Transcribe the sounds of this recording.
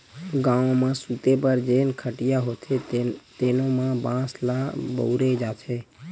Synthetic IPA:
ɡãːõmãsut̪epəɾd͡ʒeːnkʰəʈijaɦot̪ʰet̪eːnomãbãːslabə̰ʊɾed͡ʒat̪ʰe

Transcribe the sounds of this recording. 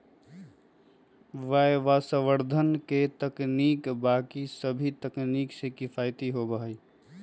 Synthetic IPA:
ʋəʋasəʋəɾd̪ʱənket̪əknikbaːkisəbʱit̪əkniːksekɪpʰaːɪt̪iɦobəɦəi

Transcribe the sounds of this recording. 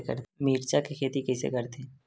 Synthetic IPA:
kə̰ɾmiːɾt͡ʃakekʰeːt̪ikɛːsḛkəɾt̪eː

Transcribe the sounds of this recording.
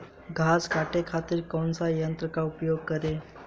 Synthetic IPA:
ɡʱaskaʈekʰat̪iːɾkonsajənt̪ɾəkaupjoɡ̚kəɾe

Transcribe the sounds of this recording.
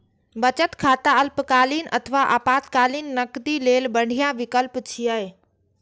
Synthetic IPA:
bɐt͡ɕət̪kʰaːt̪aɐlpkaːliːnɐt̪ʰəʋaʔa̰ːpaːt̪kaːliːnnɐkd̪ileːlbɐɳ̤ʱijaʋɪkəlpt͡ɕʰiaːɦeː

